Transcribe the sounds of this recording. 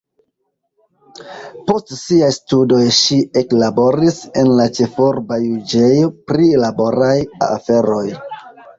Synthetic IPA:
po̞stsiajstudo̞jʃie̞klabo̞ɾise̞nlat͡ʃe̞fo̞ɾbajud͡ʒejopɾilabo̞ɾaja̰fe̞ɾo̞j

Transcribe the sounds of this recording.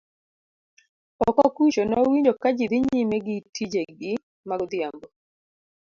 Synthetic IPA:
ɔkɔkit͡ʃɔnɔwiɲd͡ʒokad͡ʒid̪ɪɲimɛɡitʰid͡ʒeɡɪ | maɡd̪jambɔ

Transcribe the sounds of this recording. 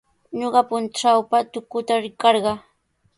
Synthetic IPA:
ɲoɢɑpʊnʈ͡ʂawpat̪ʊkʊt̪aɾɪkɑɾɢɑ

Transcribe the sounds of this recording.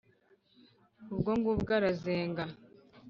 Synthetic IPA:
ubɡoŋɡubɡaɾazeːŋɡa

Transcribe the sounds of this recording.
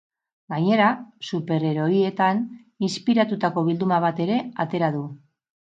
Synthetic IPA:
ɡaɲe̞ɾasupe̞ɾe̞ɾo̞ie̞t̪an | inspiɾat̪ut̪ako̞β̞ild̪umaβ̞at̪e̞ɾe̞at̪e̞ɾaðu

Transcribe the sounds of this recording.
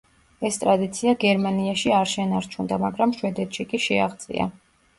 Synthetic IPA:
ɛst̪ʼɾad̪it̪sʰiaɡɛɾmaniaʃiaɾʃɛnaɾt͡ʃʰund̪amaɡɾamʃwɛd̪ɛt̪ʰʃikʼiʃɛaʁd̪zʼḭa̰

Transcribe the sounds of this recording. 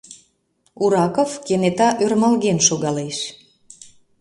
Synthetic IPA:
uɾɑkofkenet̪ɑʔørmɑlɣenʃoɣɑleʃ

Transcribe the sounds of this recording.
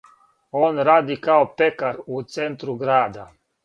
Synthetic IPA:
onɾad̪ikawpekaɾut͡sent̪ɾuɡɾad̪a

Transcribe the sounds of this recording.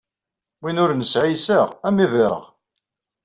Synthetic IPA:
winʊɾnəsʕijsəʁæmivɪɾˤə̰ʁ

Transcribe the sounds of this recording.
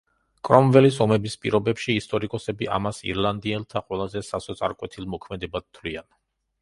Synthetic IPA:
kʼɾɔmvɛlisɔmɛbispʼḭɾɔbɛpʃiːst̪ʼɔɾikʼɔsɛbiʔa̰masḭɾlˠand̪iɛlˠt̪ʰaqʼwɛlˠazɛsasɔt̪sʼa̰ɾkʼwɛt̪ʰilˠmɔkʰmɛd̪ɛbad̪̚t̪ʰlian

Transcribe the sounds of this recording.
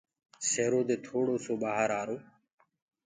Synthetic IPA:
seːɾoːd̪eːt̪ʰoːɽoːsoːɓaːɦəɾaːɾoː

